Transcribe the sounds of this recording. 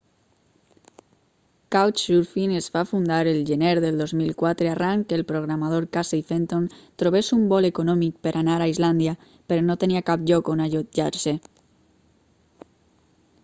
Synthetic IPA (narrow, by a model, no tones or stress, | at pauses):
kawt͡ʃʃuɾfinesfafund̪aɾelʒeneɾðelˠd̪ozmilkwat̪ɾearaŋkkelpɾoɣɾamað̞oɾkasejfent̪ont̪ɾoβesumbɔlekonɔmik̚peɾʔanaɾaizland̪ia | peɾonot̪eniakapʎɔkonaʎoʒa̰ɾse